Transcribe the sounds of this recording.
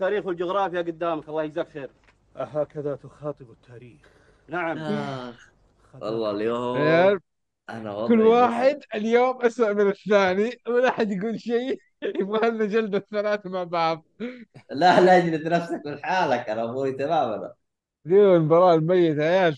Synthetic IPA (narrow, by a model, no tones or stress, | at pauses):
t̪ːaːɾiːxwɪld͡ʒʊɣɾɑːfjaɡʊd̪ːaːmakʔɑlˤːɑːhjzaːkeːɾ | ɦaːkaðat̪ʊxɑːt̪ˤɨbɪt̪ʰːaːɾiːx | naʕam | wʔɑ̰lˤːɑlia | ʔa̰na̰wkʊlːwaːħɪd̪ɪljoːmʔaswaʔmɪnɪθːaːniwmɪnʔaːħɪd̪jaɡuːlʃeː | jɪbɣaalnad͡ʒald̪aθːalaːθamaʕbaʕðˤlalaɪd͡ʒlat̪nafsakmɪnħaːlakʔanamuit̪amaːmana̰ | liːɪnbɑɾˤɑːʔlmajːɪt̪ajaːl